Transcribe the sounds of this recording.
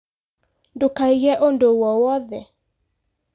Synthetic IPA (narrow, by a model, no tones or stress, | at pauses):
ndokaiɣɛʔondowɔwɔðɛ